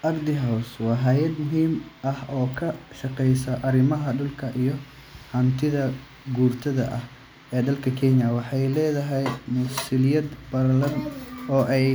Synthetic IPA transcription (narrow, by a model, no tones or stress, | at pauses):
ʔɐɡd̪ɪɦɐwswɑːɦɐjɐd̪mʊɦiːmʔɐhɔːkʰɐʃɐqɛjsɐʔɐɾɪmɐɦɐɖʊlkʰɐʔijɞ | hɐnt̪ʰɪðɐ | ɡuːrt̪ʰɐðɐ̰ʔɐh | ɛːd̪ɐlkʰɐkʰɛɲjɐwɑħɑjlɛːðɐɦɛjmʊsɪlɪjɐd̪bɐrlɐrnɔːʔɛj